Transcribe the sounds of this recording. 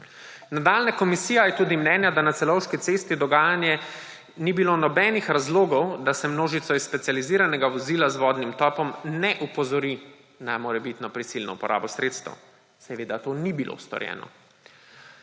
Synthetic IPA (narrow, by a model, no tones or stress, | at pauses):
nad̪aːlnakɔmisiːjajɛt̪uːd̪imnɛːnjad̪anat̪sɛlɔwʃkit̪sest̪id̪ɔɡaːjanjɛ | nibiloːnɔbɛːnixɾazloːɡɔwd̪asɛmnoːʒit̪sɔisspɛt̪sializiːɾanɛɡaʋɔziːlazʋɔːd̪nimt̪ɔːpɔmnɛʔupɔzɔɾi | namoːɾɛbit̪nɔpɾisilnɔ̰upɔɾa̰ːbɔsɾeːt̪st̪ɛ̰w | sɛʋeːd̪at̪onibilʔo̰st̪ɔ̰ɾjɛ̰ːnɔ̰